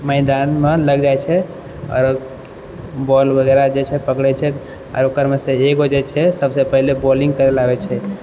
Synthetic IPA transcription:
məɪd̪anmeləɡd͡ʒajt͡ʃʰɛ | ɔ̰ːɾ | bɔlbʱəɡɛɾad͡ʒet͡ʃʰɛpəkɽɛt͡ʃʰɛ | ɔ̰ːɾokəɾmeseekɦod͡ʒɛt͡ʃʰɛsəbsepəɦilebɔliŋɡ̚kəɾɛlabɛt͡ʃʰɛ

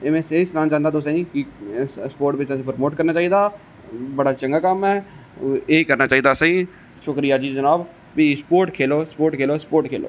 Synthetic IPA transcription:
emẽːseɪsnãːd͡ʒãːnd̪aːt̪oːsãĩːkɪspoːɾʈʋɪt͡ʃãsẽpəɾmoːʈkəɾnaːt͡ʃaːiːd̪aː | bəɽaːt͡ʃəŋɡaːkəmɛː | eːkəɾnaːt͡ʃaːiːd̪aːsãĩː | ʃʊkɾijaːd͡ʒiːd͡ʒənaːb | piːspoːɾʈkʰeːloːspoːɾʈkʰeːloːspoːɾʈkʰeːlo̰ː

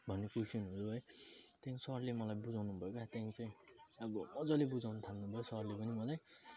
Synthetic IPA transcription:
bʱʌnːekusinɦud͡zoɦʌjt̪jãĩsʌrlemʌlajbud͡zawnubʱʌjokat̪jãĩt͡sãʌbʌmʌd͡zʌlebud͡zawnʌt̪ʰalnubʱʌjosʌrlepʌnimʌlaj

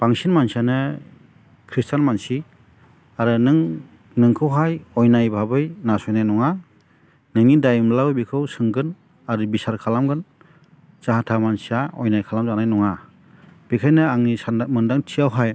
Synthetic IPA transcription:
b̥aŋsinmansianɯ | kʰɾistanmansi | aɾɯnɯŋ | nɯŋkʰɯwɦajɔjnajbʱabɯjnasɔjnajnɔŋa | nɯŋnidajmlawbikʰɯwsɯŋɡɯn | aɾɯbisaɾkʰalamɡɯn | zaɦatʰamansiaɔ̰jnajkʰalamzanajnɔŋa | b̥ikʰajnɯaŋnisamɯndaŋtʰiawɦaj

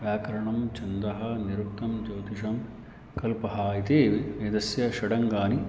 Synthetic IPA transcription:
ʋjaːkɐɾɐɳɐmt͡ʃɐnd̪ɐɦɐniɾuk̚t̪ɐmd͡ʒɐwt̪iʂɐm | kɐlpɐɦaːit̪eːʋɐd̪ɐsjɐʃɐɽɐŋɡaːni

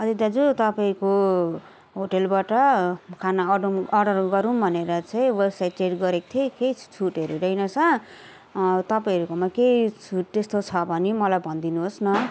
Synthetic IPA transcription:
ʌd̪id̪ad͡zut̪ʌpaĩko | ɦoʈelbaʈʌkʰanaɖumʌɖʌruɡʌɾunbʱʌneɾʌt͡sʌĩwebsajʈt͡seʈɡʌɾekt̪ʰekejt͡sʰuʈeɾodʌjnʌsʰʌ | t̪ʌpaĩʌɾukomaket͡sʰuʈ̚t̪est̪ot͡sʰʌbʱʌnemʌlajbʱʌnd̪inuɦosnʌ

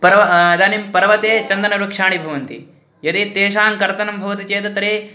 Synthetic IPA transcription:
pɐɾɐʋɐd̪aːnimpɐɾɐʋɐt̪eːt͡ʃɐnd̪ɐnɐɾɐkʂaːɳibʱɐʋɐnt̪ḭ | jɐt̪it̪eːʃaːŋkɐɾt̪ɐnɐmbʱɐʋɐt̪it͡ʃeːt̪ɐt̪ɐɾeː

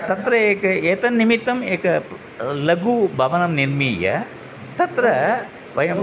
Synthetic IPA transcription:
t̪ɐt̪ɾɐeːkɐeːt̪ɐnːimit̪ːɐmeːkɐ | lɐɡubʱɐʋɐnɐmniɾmijɐ̰ | t̪ɐt̪ɾɐ | ʋɐjɐm

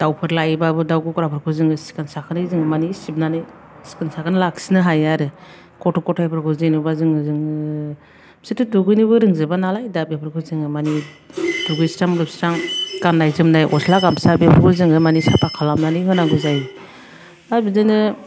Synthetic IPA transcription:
d̥awpʰɯɾlajbabɯdawɡukɾapʰɯɾkʰɯzɯŋɯsi̥kansakʰɯnɯjzɯŋɯmanisib̚nanɯj | si̥kansakʰɯnɯlaksinɯɦajaɾɯ | kɔtʰɔkɔtʰajpʰɯɾkʰɯzɯjnɯbazɯŋɯzɯŋɯ | sitɯduɡɯjnɯbɯɾɯŋzɯbanalajdabepʰɯɾkʰɯzɯŋɯmani | duɡɯjsɾaŋɡɯpsɾaŋkanːajzɯmnajʔɔslaɡamsabepʰɯɾkʰɯzɯŋɯmanisapʰakʰalamnanɯjɦɯnaɡɯzaj | abizɯnɯ

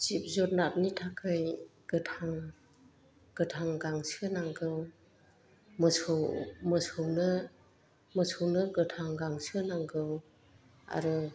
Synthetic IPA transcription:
t͡ʃip̚zɔt̚nap̚nitʰakʰajɡ̥ɯtʰaŋ | ɡ̥ɯtʰaŋɡaŋsənaŋɡɯw | mɔsʰɯwməsʰownɯ | məsʰɯwnɯɡɯtʰaŋɡaŋsɯnaŋɡɯw | a̰ɾɯ

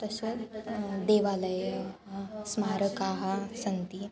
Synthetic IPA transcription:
t̪əset͡sd̪eʋaləj | smaːɾəkaɦasənt̪i

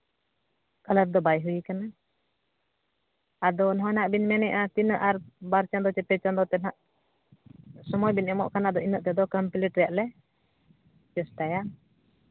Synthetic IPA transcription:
kaləɾd̪ɔbajɦujikana | ad̪ɔnɔɦɔ̃naʔbinmɛnɛʔat̪inʔaɾbaɾt͡ʃand̪ɔt͡ʃɛt̪ɛt͡ʃand̪ɔt̪ɛnɦaʔ | sɔmɔjbinɛmɔʔkanad̪ɔinɔʔt̪ɛd̪ɔkəmpliʈɾɛjaʔlɛ | t͡ʃɛsʈaja

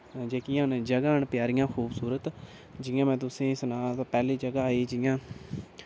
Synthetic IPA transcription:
d͡ʒeːkiːənd͡ʒəɡaːɳpjaːɾɪjãːxʰuːbsuːɾət̪ | d͡ʒɪjãːmɛ̃ːt̪̬ʊsẽːsnaːt̪ːpɛːliːd͡ʒəɡaːiːd͡ʒɪjãː

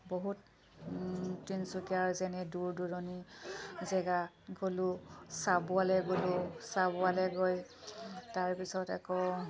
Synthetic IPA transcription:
boɦut | insukiaɹzɛnɛduɹduɹɔnizɛɡa | ɡolʊsabʊalɛɡolʊsabʊalɛɡoj | taɹpisɔtɛ̰kɔ

